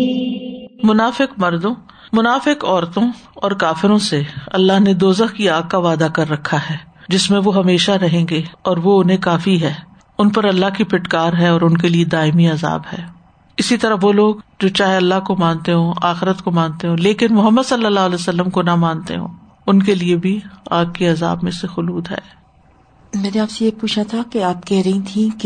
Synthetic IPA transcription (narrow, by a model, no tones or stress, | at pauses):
mʊnaːfɪkmɐɾd̪õ | mʊnaːfɪkɔːɾt̪õɔːɾkaːfɪɾõseɐ̰lːaɦned̪oːzəxkiaːɡ̚kaʋaːd̪akɐɾːɐkʰːaɦɛː | d͡ʒɪsmẽʋoɦɐmeːʃaɾɐɦẽːŋɡeɔːɾʋoʊnɦẽkaːfiɦɛː | ʊnpɐɾɐlːaɦkipɪʈkaːɾɦɛɔːɾʊnkelied̪aːɪmiaːza̰ːbɦɛː | ɪsit̪ɐɾəʋoloːɡd͡ʒoːt͡ʃaːɦeɐlːaɦkomãːnt̪eɦõːʔaːxɪɾət̪komãːnt̪eɦõːleːkɪnmʊɦəmːəd̪sɐlːəlːaːɦʊlɛːsɐlːəmkonɐmãːnt̪ḛɦõ̰ː | ʊnkeliebʱiaːk̚kiɐza̰ːbmẽsexʊluːd̪ɦɛ̰ː | mɛːneaːpsejeːpuːt͡ʃʰat̪ʰakeaːp̚kɛɦɾɐɦĩt̪ʰĩk